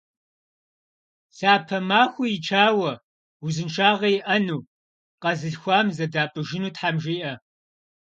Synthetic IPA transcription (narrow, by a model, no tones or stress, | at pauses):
ɬaːpʰɐmaːxʷujit͡ʃʰaːwɐ | uzɨnʃʰaːʁɐjɪʔɐnuː | qɐzɨɬxʷɑːmzɐdaːpʼɨʒɪnuːtħamʒiːʔɐ